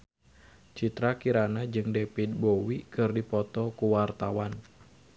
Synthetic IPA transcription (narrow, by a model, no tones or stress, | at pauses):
t͡ʃit̪ɾakiɾanad͡ʒɨŋdepit̪̚bowikɨrdipɔt̪ɔkuwart̪awan